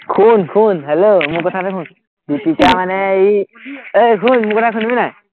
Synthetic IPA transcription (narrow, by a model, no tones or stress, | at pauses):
kʰunkʰunɦelomukɔt̪ʰatekʰun | bipit͡ʃamaneiəjkʰunmukɔt̪ʰakʰunbinaj